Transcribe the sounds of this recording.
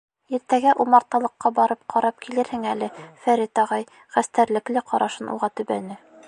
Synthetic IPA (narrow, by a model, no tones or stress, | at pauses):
iɾt̪æɡæʔumɑɾt̪ɑlˠɤ̆qːɑbɒɾɤp̚qʰɒɾɑp̚kilɘɾhɘŋælɘfæɾit̪ɒʁɑj | χæst̪æɾlɘ̆klɘqʰɒɾʔɑʃɤnʔṵʁɑt̪ɵ̆bænɘ